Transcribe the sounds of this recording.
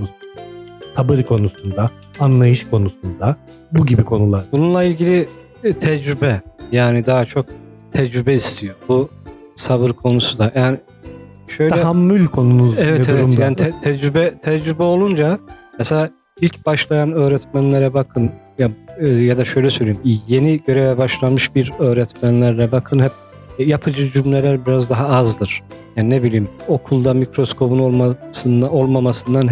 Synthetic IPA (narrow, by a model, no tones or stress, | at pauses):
sʰabɯɾkʰo̞nusund̪a | anlˠajɯʃkʰo̞nusund̪a | buɟibikʰo̞nulˠaɾbununlˠailʲɟilʲi | t̪ʰɛd͡ʒɾybɛjaːnid̪aɦat͡ʃʰo̞k̚ | t̪ʰɛd͡ʒɾybɛist̪ʰijo̞bu | saβɯɾkʰo̞nusud̪ajaːnɪ | ʃø̞jllɛɦamːylʲkʰo̞nunuzɛvɛt̪ɛuvɛɾumdj̪aːnit̪ɛt̪ʰɛd͡ʒɾybɛt̪ʰɛd͡ʒɾybɛo̞lˠund͡ʒamɛselʲaː | ilʲcb̥aʃlˠajanø̞ːɾɛt̪mænlʲeɾɛbakʰɯn | jajad̪aʃø̞jlʲɛsø̞jlʲeimje̞niɟø̞ɾɛvɛbaʃlˠanmɯʃbiɾø̞ːɾɛt̪mænlʲæɾlʲɛbakʰɯnhɛp̚ | japʰɯd͡ʒɯd͡ʒymlʲelʲæɾbiɾazd̪aɦaazd̪ɯɾ̥jaːninebilʲiːmo̞kʰulˠd̪amikɾo̞skʰo̞bunolˠmasɯno̞lˠmamasɯnd̪anɦ